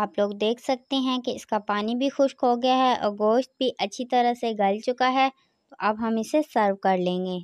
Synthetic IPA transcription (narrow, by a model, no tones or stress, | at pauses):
aːploːɡd̪eːkʰsɐk̚t̪eɦɛ̃keɪskapaːnibʱixʊʃkoɡɐjaɦɛʔɔ̰ːɾɡoːʃt̪̚bʱiʔɐtːʃʰit̪ɐɾəɦseɡɐlt͡ʃʊkaɦɛ | tt̪oʔɐbɦɐmɪsesəɾʋkɐɾlẽːŋɡeː